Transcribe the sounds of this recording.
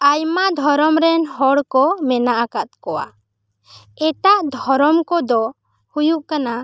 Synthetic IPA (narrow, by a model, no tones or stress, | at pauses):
ajmad̪ʱɔɾɔmɾɛnɦɔɽkɔmɛnaʔakat̪̚kɔwa̰ | ɛʈaʔd̪ʱɔɾɔmkɔd̪ɔ | hujuʔkana